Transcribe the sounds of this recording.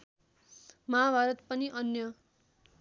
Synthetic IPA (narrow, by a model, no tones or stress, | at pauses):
mabʱaɾʌt̪pʌniʔʌnjʌ